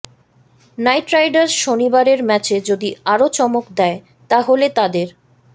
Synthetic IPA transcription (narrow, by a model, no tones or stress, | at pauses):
najʈɾajɖaɾʃonibaɾeɾmɛt͡ɕed͡ʑod̪iaɾot͡ɕɔmokd̪ɛe | t̪aɦolet̪ad̪eɾ